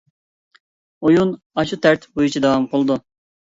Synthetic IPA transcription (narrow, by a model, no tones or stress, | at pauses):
ojun | ɑʃut̪ʰæɾt̪ʰbojut͡ʃʰid̪ɑwɑmqʰolˠɨd̪u